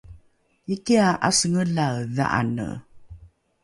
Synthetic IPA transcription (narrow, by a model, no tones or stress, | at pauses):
ikiaʔa̰səŋəɮaða̰ʔa̰nə̰